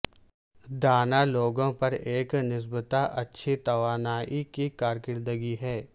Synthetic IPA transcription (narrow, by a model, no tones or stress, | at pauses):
d̪aːnaloːɡõpɐɾeːknɪs̬bət̪aʔɐtːʃʰit̪ɐʋaːnaːʔikikaːɾkɪɾd̪əɡiɦɛː